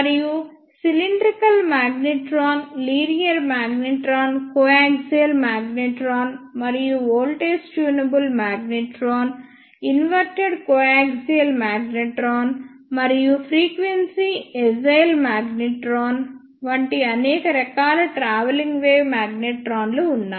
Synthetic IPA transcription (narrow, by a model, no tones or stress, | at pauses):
mɐɾiju | siliɳɖɾikɐlmaːɡniʈɾoːnliːɾijɐɾmaːɡniʈɾoːnkoaːkɡseːlmaːɡniʈɾoːnmɐɾijuoːlʈeːsʈuːnɐbulmaːɡniʈɾoːn | inʋɐɾʈeɖkoːaːɡseːlmaːɡniʈɾoːnmɐɾijupʰɾiːkʋensied͡ʒɐjlmaːɡniʈɾoːn | ʋɐɳʈiɐnɛːkɐɾɐkaːlɐʈɾaːʋɐliŋɡʋeːʋmaːɡneʈɾaːnluunːaː